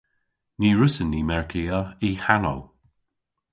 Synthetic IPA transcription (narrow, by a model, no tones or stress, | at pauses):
niːɹʊsənːiːmɛɹkʰiəiːhano̰w